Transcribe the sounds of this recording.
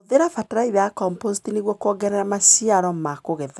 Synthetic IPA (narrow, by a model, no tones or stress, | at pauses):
ðeɾafataɾaiβakɔmpositineɣwɔkɔɡɛɾɛɾamasiaɾɔmakoɣɛða